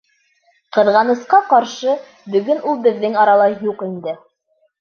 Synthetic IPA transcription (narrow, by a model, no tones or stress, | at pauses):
qɤ̆ðʁɑnɤ̆sqɑqɑɾʃɤ | bɵ̆ɡɵnulˠbɘ̆ðːɘŋɑɾɑlˠɑjuqind̪ɘ